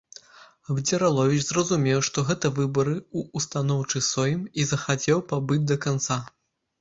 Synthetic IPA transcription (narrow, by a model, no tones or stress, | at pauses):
ɐbd͡zʲɛɾalˠɔvʲit͡ʃzrɐzumʲɛwʂt̪ɔɣɛt̪ɐvɨbɐɾɨuːst̪anɔwt͡ʂɨsɔjimizɐxat͡sʲɛwpabɨd͡zʲd̪ɐkant̪sa